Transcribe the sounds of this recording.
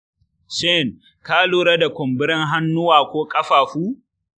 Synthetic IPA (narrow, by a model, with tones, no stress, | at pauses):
ʃɛ˦˨n | kaː˦loː˦ɾɐ˦da˨kʷʊ˨mbɪ˦ɾɪ˦ŋɦa˦nːʊ˦waː˨kʷoː˦kʼɐ˦ɸaː˨ɸuː˦